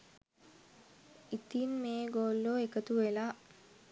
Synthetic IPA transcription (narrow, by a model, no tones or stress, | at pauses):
it̪inmeːɡoːlːoekət̪uʋela